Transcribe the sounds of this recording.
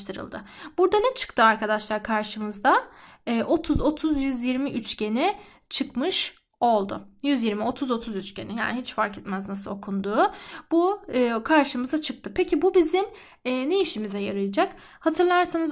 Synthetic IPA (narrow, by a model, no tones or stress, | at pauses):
t̪ʰɯɾɯ̰lˠd̪ɯb̥uɾd̪anɛt͡ʃʰɯ̥kt̪ʰɯaɾkad̪aʃlˠaɾkʰaɾʃɯmɯzd̪a | ɛːʔo̞t̪ʰuzo̞t̪ʰuzjyzjiɾmiʔyt͡ʃce̞nɪ | t͡ʃʰɯkmɯʃ | o̞lˠd̪ʊ̰jyzjiɾmio̞t̪ʰuzo̞t̪ʰuzyt͡ʃcenija̰ːniɦit͡ʃfaɾkʰɛt̪mæznasɯo̞kʰund̪uːb̥uɯːkʰaɾʃɯmɯzat͡ʃʰɯk̚t̪ʰɯpʰecibubizim | ɛːne̞iʃimizɛjaɾɯj̪ˠɯd͡ʒak | hat̪ʰɯɾlˠaɾsanɯz